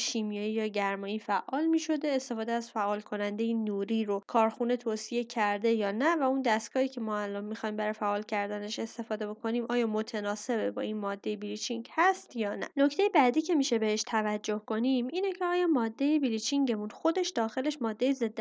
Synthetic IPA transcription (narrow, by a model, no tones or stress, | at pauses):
ʃimijɒːjijɒːɟæɾmɒːiːfæʔʔːɒːlmiːʃo̞d̪e̞est̪e̞fɒːd̪eæz̥fæʔːɒːlkʰo̞nænd̪e̞jenuːɾiːɾo̞kʰɒːɾxune̞t̪ʰoːsije̞cʰæɾd̪e̞jɒːnævæund̪æst̪kʰɒːhiːcʰe̞mɒːælɒːnmixɒjimbæɾɒjfæʔɒːlcʰæɾd̪æneʃe̞st̪e̞fɒːd̪e̞bo̞kʰo̞niːmʔɒːjɒːmo̞t̪ʰenɒːse̞bbɒ̰ːinmɒːd̪ːe̞jebilit͡ʃʰiŋɟhæst̪jɒːnæ̰no̞cʰt̪e̞jebæd̪iːcʰe̞miːʃe̞be̞heʃt̪ʰævæd͡ʒːo̞hko̞nimʔiːnecʰeɒːjɒːmɒːd̪ːe̞jebilit͡ʃʰiŋɟe̞munxo̞d̪e̞ʃd̪ɒːxe̞le̞ʃmɒːd̪ːe̞jeze̞d̪ː